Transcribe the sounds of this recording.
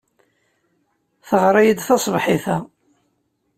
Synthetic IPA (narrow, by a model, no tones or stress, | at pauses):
θəʁɾˤɑjəd̪θɑsˤbħiθæ